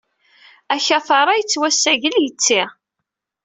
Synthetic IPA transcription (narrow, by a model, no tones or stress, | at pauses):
æçæθəɾˤɑjət͡sːwæsːæʝəljət͡sːi